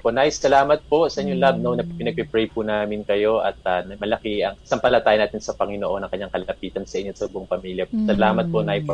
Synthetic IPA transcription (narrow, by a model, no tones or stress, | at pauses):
ponajsɐlaːmɐt̪̚po̞sɐʔiɲːoŋlab̚nonɐppɪnɐɡ̚pɛpɾɛjpunaːmɪnkɐjo̞ʔɐt̪̚ɐnɐmɐlɐkɪɐŋsɐmpɐlɐt̪aːjɪnaːt̪ɪnsɐpɐŋɪnoʔo̞nɐŋkɐɲːaŋkɐlɐpiːt̪ɐnsɐʔɪɲːot̪sɐbʔoŋpɐmiːljɐsɐlaːmɐt̪̚ponajp